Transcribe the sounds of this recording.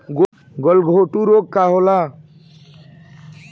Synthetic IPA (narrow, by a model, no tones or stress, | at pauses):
ɡo | ɡɔlɡʱoʈuɾoːɡ̚kaɦoːla